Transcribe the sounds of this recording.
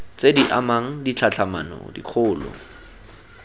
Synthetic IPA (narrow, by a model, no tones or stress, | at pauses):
t͡sediʔamaŋ̩dit͡ɬʰat͡ɬʰama̰nɔ̰dḭq͡χʰʊːlɔ̰